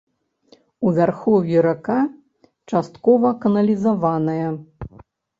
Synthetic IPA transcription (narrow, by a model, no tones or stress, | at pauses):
uvʲarxɔvʲjiɾaka | t͡ʂast̪kɔvɐkɐnɐlʲizavanɐjɐ